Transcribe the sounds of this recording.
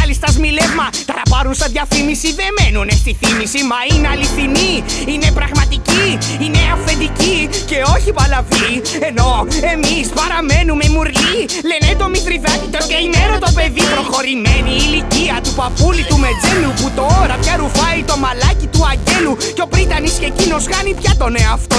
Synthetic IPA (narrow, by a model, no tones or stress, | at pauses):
ɐlist̪ɐzmilevmɐt̪ɐɾɐpɐɾunsɐðʝɐfimisiðemenunest̪iθimisimɐineɐliθiniine̞pɾɐɣmɐt̪iciine̞ɐfe̞nd̪icice̞o̞çipɐlɐvi | e̞no̞e̞mispɐɾɐme̞numemuɾli | lened̪omit̪ɾiðɐci̥t̪oseimeɾot̪o̞pe̞ðipɾoxo̞ɾimeniːliciɐt̪upɐpulit̪ume̞d͡zeluput̪ooɾɐpçɐɾufɐit̪o̞mɐlɐcit̪uɐɲɟe̞lu | ceo̞pɾit̪ɐnisce̞cino̞sxɐnipçɐt̪o̞neoɐft̪o